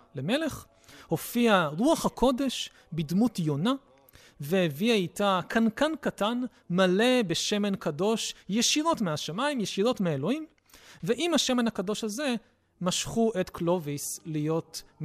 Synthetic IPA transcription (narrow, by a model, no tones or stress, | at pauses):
leme̞le̞χ | ho̞fiaʁuaχhakʰo̞de̞ʃ | bidmutjo̞na | veheviaitakʰankankatan | male̞beʃe̞me̞nkado̞ʃjeʃiɾo̞tmeaʃamaimjeʃiɾo̞tmeelo̞him | veʔimhaʃe̞menakado̞ʃhaze̞ | maʃχuʔetklo̞vislijo̞t